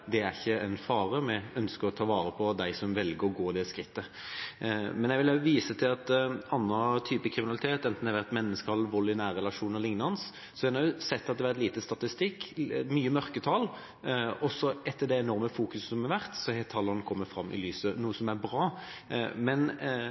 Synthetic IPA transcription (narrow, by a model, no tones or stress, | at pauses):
d̪ɛæɾçəɛnfɑːɾəmɛœnskəɾɔt̪ʰɑːʋɑːɾəpʰɔd̪æɪsɔmʋɛlɡəɾɔɡoːd̪ɛskɾɪt̪ːə | mɛnjɛɪʋɪləʋiːsət̪ʰɪlɑt̪ɑnːət̪ʰyːpəkʰɾɪmɪnɑlɪt̪ʰeːt̪ɛnt̪n̩ɛʋæʁt̪mɛnːəskɑlʋɔlːɪnæːɾːɛlɑʂuːnəɾlɪŋnɑns | sɔæɾd̪æʊsɛt̪ːɑt̪̚d̪ɛʋæɾɛt̪liːt̪əst̪ɑt̪ɪst̪ɪkːmyːəmœɾkət̪ʰɑl | ɔsɔɛt̪ʰːəɖ̪ɛɛnɔɾməfuːkʉssɔmɑʋæʁt̪sɔhɛt̪ʰɑlːəɾnkʰɔmːətfɾɑmːʔɪ̰lyːsənuːəsɔmæɾbɾɑː | mɛn